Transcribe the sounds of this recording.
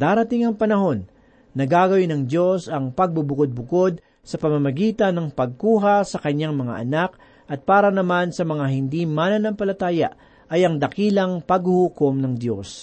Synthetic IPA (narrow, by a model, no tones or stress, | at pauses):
d̪aːɾɐt̪ɪŋɐŋpɐnɐho̞nː | ɐɡaɡɐwɪnɐŋd̪jo̞sɐŋpɐɡ̚bʊbʊkod̪̚bʊko̞d̪̚ | sɐpɐmɐmɐɡiːt̪ɐnːɐŋpɐɡ̚kuːɦɐsɐkɐɲːaŋmɐŋa̰ʔɐnak̚ | ʔɐt̪̚paːɾɐnɐmansɐmɐŋaɦɪnd̪imanɐnɐmpɐlɐt̪aːjɐ̰ʔ | ʔɐjɐŋd̪ɐkiːlɐŋpɐɡhʊhukomnɐŋd̪jo̞s